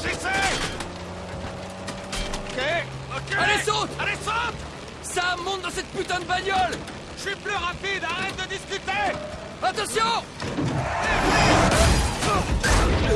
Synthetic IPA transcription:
ʒisɛ | kʲe | okʲealesɔ̃t̪alesɔ̃t̪ | samɔ̃t̪̚d̪ɑ̃sɛt̪̚pyt̪ɛ̃d̪bajjɔl | ʃiplyʁapid̪aʁɛt̪̚d̪əd̪iskʲyt̪e | at̪ɑ̃sjɔ̃ | ei

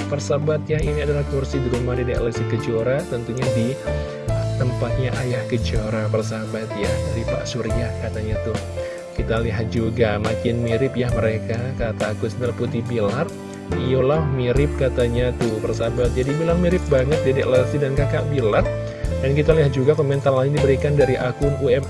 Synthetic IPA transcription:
pərsabat̪̚jainiadalahkursidiɾumadidaləsikəd͡ʒoɾat̪ənt̪uɲadi | t̪əmpat̪̚ɲaʔajahkəd͡ʒoɾapərsabat̪̚jadaɾipa̰ʔsuɾjakat̪aɲat̪ʊh | kit̪aliɦat̪̚d͡ʒuɡamakɪnmiɾɪpjahməɾekakat̪aːkʊsmilaput̪ibilar | iulahmiɾɪp̚kat̪aɲat̪ʊhpərsabat̪̚d͡ʒadibilarmiɾɪp̚baŋət̪̚dedɛʔləsidankakaʔbilar | dankit̪aliɦat̪̚d͡ʒuɡakomɛnt̪arlaɪndibəɾikandaɾiʔakʊnuɛm

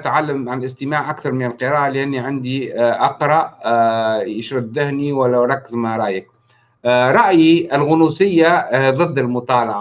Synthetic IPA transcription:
t̪ʕalːamʕalʔɪst̪ɪmaːʕʔakθɑɾˤmɪnɪlqɨɾaːʔalɪʔanːiʕand̪iʔɑqɾˤɑʔ | jɪʃɾabd̪ɪhniwalːaɾˤɑkːɪzmaɾˤɑʔjɪk̚ | ɾˤɑʔjiɪlɣʊnusɪjːaðˤɨd̪ːɪlmʊt̪ˤɑːlɑʕa

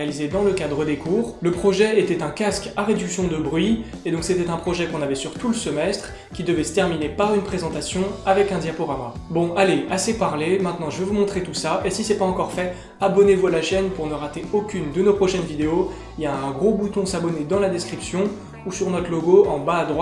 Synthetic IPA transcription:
alized̪ɑ̃ləkad̪ʁəd̪ekʰuːʁləpχɔʒɛet̪ɛt̪ɛ̃kaskaʁed̪yksjɔ̃d̪əbʁɥi | ed̪ɔ̃kset̪ɛt̪ɛ̃pχɔʒɛkɔ̃navɛsyʁt̪uləsəmɛst̪χ | kʲid̪əvɛsə̥t̪ɛʁminepaʁynpχezɑ̃t̪asjɔ̃avɛkɛ̃d̪japɔʁama | bɔ̃aleasepaʁlemɛ̃t̪nɑ̃ʒəvevumɔ̃t̪χet̪usaʔesisɛpaɑ̃kɔʁfɛ | abɔnevualaʃɛnpuʁnəʁat̪eokʲynd̪ənopχɔʃɛnvid̪eo | iljãɛ̃ɡʁobut̪ɔ̃sabɔned̪ɑ̃lad̪ɛskχipsjɔ̃ | usyʁnɔt̪χloɡoɑ̃baːd̪ʁwa

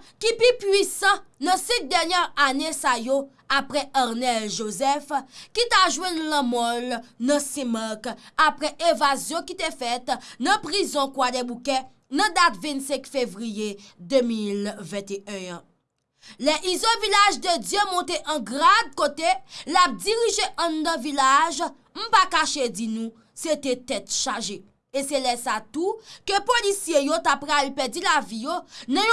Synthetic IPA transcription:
kipipɥisɑ̃nɐ̃sĩt̪̚d̪ɛʁnjɛʁanesajo | apʁɛaʁnɛlʒozɛfkit̪aʒwɛ̃nlɐ̃mɔlnɐ̃sɛ̃makapʁɛʔevazjɔ̃kit̪efɛt̪nɐ̃pʁizɔ̃kwad̪ɛbukɛ̃ | nɐ̃d̪at̪vɛ̃nsɛ̃kfevʁijed̪ømilvɛ̃t̪eœ̃ə̃ | lɛʔizɔ̃vilaʒd̪əd͡zjømɔ̃t̪eʔɐ̃ɡʁad̪̚kot̪elap̚diʁiʒeʔɐ̃nd̪ãvilaʒ | m̩pakaʃed͡zinũ | set̪et̪ɛt̪ʃaʒe | eselɛsat̪ukøpolisjejot̪apʁalipɛd͡zilavijonɐ̃j

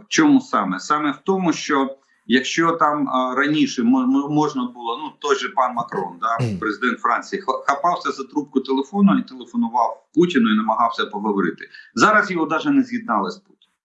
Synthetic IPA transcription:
t͡ʃɔmusɑmɛsɑmɛwt̪ɔmʊʃt͡ʃɔ | jɐkʃt͡ʃɔt̪ɑmɾɐnʲiʃɛmmɔʒnɐbʊlˠɔnut̪ɔjʒɛpɑnmɐkɾɔnd̪ɑpɾezɪd̪ɛnt̪fɾɑnʲt͡sʲijixxɐpɑwsʲɐzɐt̪ɾup̚kʊt̪elˠefɔnʊit̪elˠefɔnʊʋɑwputʲɪnʊinɐmɐɦɑwsʲɐpɔɦɔʋɔɾɪ̰t̪ɪ̥zɑɾɐsjɔɦɔd̪ɑʒɛnɛzʲjʲid̪̚nɑlˠɪsʲpu̥tʲɪnʊ

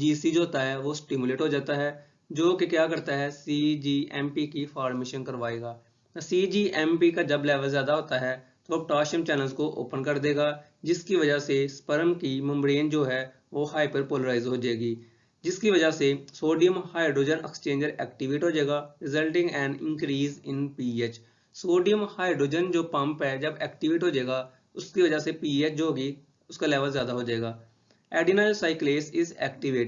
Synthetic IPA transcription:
d͡ʒiːsid͡ʒoɦoːt̪aɦɛʋosʈɪmjʊleːʈɦoːd͡ʒaːt̪aɦɛː | d͡ʒoːkekjaːkɐɾt̪aɦɛsiːd͡ʒiːʔɛːmpikifaːɾmeːʃənkəɾʋaːeːɡaː | t̪siːd͡ʒiːʔɛ̃ːmpikad͡ʒɐblɛːʋəlzjaːd̪aɦoːt̪aɦɛt̪oopʈaːʃəmt͡ʃɛːnəlzkoʔo̰ːpənkɐɾd̪eːɡaː | d͡ʒɪskiʋɐd͡ʒasespəɾəmkimə̃mbɾeːnd͡ʒoːɦɛ | ʋoːhaːipəɾpoːləɾaːɪzɦoːd͡ʒaeːɡiː | d͡ʒɪskiʋɐd͡ʒasesoːɖijə̃mhaːjɖoːd͡ʒənɛ̰kst͡ʃẽːɲd͡ʒəɾɛːkʈɪʋɪʈɦoːd͡ʒaːɡaɾɪzəlʈɪ̃ŋɡɛ̃ːnɖɪ̰̃nkɾiːzɪ̃npiːeːt͡ʃ | soːɖijə̃mhaːjɖoːd͡ʒənd͡ʒoːpãmpɦɛd͡ʒɐbɛːkʈɪʋɪʈɦoːd͡ʒaːɡa | ʊskiʋɐd͡ʒasepiːeːt͡ʃd͡ʒoːɡi | ʊskalɛːʋəlzjaːd̪aɦoːd͡ʒaːeːɡaː | ɛːɖinaːɪlsaːɪkleːsɪzɛːkʈɪʋɪʈ

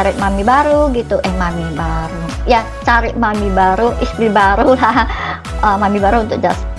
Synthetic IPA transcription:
aɾɪʔmamibaɾuɡit̪uʔɛhmamibaɾu | ja | t͡ʃaɾɪʔmamibaɾuist̪ɾibaɾulah | əmamibaɾuunt̪ʊk̚d͡ʒas

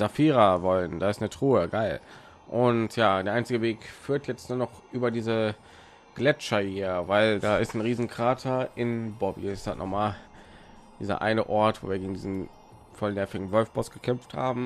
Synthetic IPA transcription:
z̥afiːʁavɔlənd̥aːɪstnətʁ̥uːəɡaɪl | ʔʊntjaːd̥eːɐʔaɪnt͡sɪɡəveːkfyːɐtjɛt͡stnuːnɔχʔyːbɐdiːzə | ɡ̥lɛt͡ʃɐhiːɐvaɪldaːɪstnʁiːzn̩kʁ̥aːtʰɐɪnbɔbḭɪstaːtnɔ̰χmaːl | d̥iːzɐ̰ʔa̰ɪnəʔɔɐtv̥o̰ːviːɐɡeːɡŋ̩diːzn̩ | fɔlnɛɐfɪɡŋ̩vɔlfb̥ɔsɡ̥əkʰɛmftha̰ːbm̩

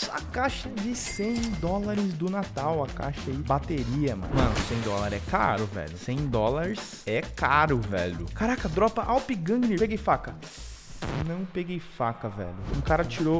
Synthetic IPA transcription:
sɐkaʃɐd͡ʒɪsẽj̃d̪ɔlaɾɪzd̪ʊnat̪awɐka̰ʃɐibat̪eɾiɐmɐ̰̃mɐ̃nʊsẽj̃d̪ɔlaɾɛka̰ɾʊvɛ̰ʎʊsẽj̃d̪ɔlaɾɪs | ɛkaɾʊvɛ̰ʎʊkaɾakɐd̪ɾɔpɐʔawpiɡɐ̃nɪpeɡejfakɐ | nɐ̃w̃peɡejfakɐvɛ̰ʎʊũkaɾɐt͡ʃiɾo

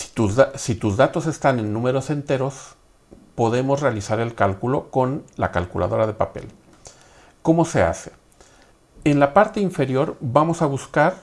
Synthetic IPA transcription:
usit̪uzðat̪o̞se̞st̪ane̞nːũme̞ɾo̞se̞nt̪e̞ɾo̞s | po̞ðe̞mo̞zre̞alisaɾe̞lkalkulo̞ko̞nla̰kalkula̰ðo̞ɾað̞e̞pape̞̰l | ko̞mo̞se̞a̰se̞ | enlapaɾt̪e̞iɱfe̞ɾjo̞ɾbamo̞saβuskaɾ

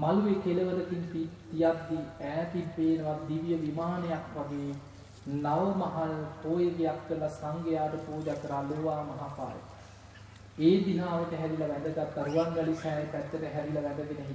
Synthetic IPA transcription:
maluʋekeləʋəd̪ək̪iŋt̪it̪ijat̪d̪iæːt̪impeːnəʋad̪iʋjəʋimaːnejakʋaɡe | naʋəmɐɦalpoːjəɡejakːəlasaŋɡejaːʈəpoːd͡ʒak̪ɾaːloːʋaːmɐɦaːpa̰ːɾə̰ | eːd̪inaːʋəʈəɦɛɾilaʋɛd̪əɡat̪ːaɾuʋaŋɡɐlisɛːjpɛt̪ːəʈəɦæɾilɐʋɛd̪əɡenəɦi

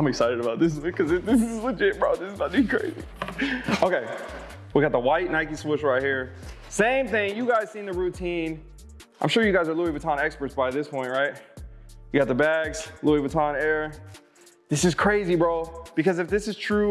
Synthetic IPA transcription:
ãɪ̃mɨksaɪɾɨɾɨbaʊt̪̚ðɪs̬ɪkʰʌzɨðɪszwɨd͡ʒẽɪ̃mbɹaʊðɪszbabĩkʰɹ̥ḛɪzḭ | oʊkeɪ | wiɡɑt̪̚ðəwaɪtⁿnaɪkiswɪʃɹaɪt̚hiɹ | sẽɪ̃mθɪ̃ŋjɨɡaɪz̥sĩnðɨɹʉtʰĩn | ʔãɪ̃mʃʊɹjɨɡaɪzə˞luibɨtʰɑ̃nɛkspə˞tsb̥aɪðɪspʰɔ̃ɪ̃nʔɹaɪt̚jɨɡɑt̪̚ðɨbæɡz̥luibɨtʰɑ̃nɛɹ | ðɪsɨz̥kʰɹ̥eɪzibɹoʊb̥ɨkʌzɨfðɪsɨz̥tʰɹ̥u

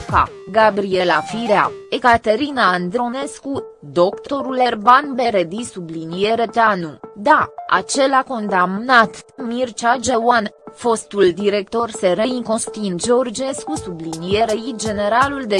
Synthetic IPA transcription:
ka̰ | ɡabɾie̞lafiɾeaekat̪e̞ɾinaːnd̪ɾo̞ne̞skud̪o̞kt̪o̞ɾule̞rbanbe̞ɾed̪isublinije̞ɾe̞t̪eanud̪aa̰t͡ʃe̞lako̞nd̪amnat̪mirt͡ʃad͡ʒewanfo̞st̪uld̪iɾe̞k̚t̪o̞rse̞ɾeiŋko̞st̪ind͡ʒeord͡ʒe̞skusublinije̞ɾejid͡ʒe̞ne̞ɾaluld̪e

